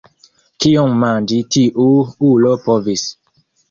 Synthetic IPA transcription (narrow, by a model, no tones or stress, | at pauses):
kiɔmːãnd͡ʒitiʔuulopovis